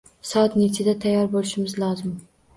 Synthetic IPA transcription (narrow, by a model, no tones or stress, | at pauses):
sɒt̪net͡ʃʰɪd̪at̪ʰajːɒɾbolɪʃɪmɪzlˠɒzɪm